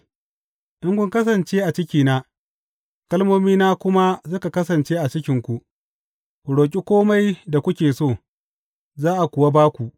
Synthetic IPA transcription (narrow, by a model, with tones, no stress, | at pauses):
ʔɪ˦ŋkʷʊ˦ŋkɐ˦s̬ɐ˨nt͡ʃeː˦ʔa˨t͡ʃɪ˦kʲiː˨naː˦ | kɐ˦lmoː˦miː˦naː˦kʷʊ˦ma˦sʊ˦ka˨kɐ˦s̬ɐ˨nt͡ʃeː˦ʔa˨t͡ʃɪ˦kʲɪ˨˦ŋkʷu˨ | kʷu˨ɽoː˨k̬ʲʼi˦kʷoː˦ma˦jda˨kʷʊ˦kʲeː˨soː˦˨ | zaː˦ʔa˨kʷʊ˨wa˦baː˦kʷu˨ʔ